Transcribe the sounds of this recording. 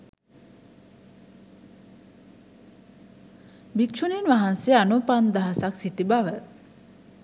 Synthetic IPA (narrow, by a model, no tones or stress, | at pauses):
bikʃuninʋaɦansijəanupand̪aɦasaksit̪ibaʋə